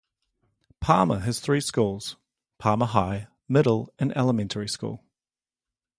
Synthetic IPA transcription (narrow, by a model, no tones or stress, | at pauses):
pʰɑːməəz̥θɹiːskuːlˠz̥ | pʰɑːməɦaɪ | mɪɾl̩ˠə̃nɛləmɛ̃ntʰəɹiskṵːlˠ